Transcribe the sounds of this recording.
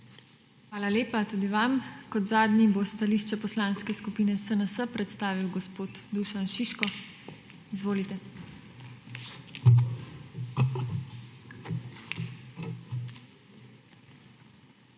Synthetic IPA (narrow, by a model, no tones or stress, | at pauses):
xʋaːlaleːpat̪uːd̪iʋamkɔt̪zaːd̪nibost̪aliʃt͡ʃɛpɔslaːnskɛskupiːnɛsənəsəpɾɛt̪st̪aːʋiwɡɔspoːt̪d̪uʃanʃiʃkɔ | izʋoːlit̪ɛ